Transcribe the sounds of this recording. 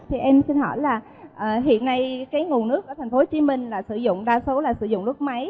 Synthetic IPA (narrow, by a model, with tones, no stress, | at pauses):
t̪ʰi˨˩ʔɛ˧msi˧nɦɔ̰˧˩jlaː˨˩ | ʔəː˨˩ɦḭ˧˨ənːa˧jkaː˨˦jŋu˨˩nɨ˦˥ək̚ʔaː˧˩t̪ʰa˨˩ŋ̟fo˨˦t͡ɕi˨˦mï˨˩ŋ̟laː˨˩sɨ̰˧˩zʊ̰˧˨ŋ͡mɗaː˧so˨˦laː˨˩sɨ̰˧˩zʊ̰˧˨ŋ͡mlʊ˦˥k͡p̚ma˨˦j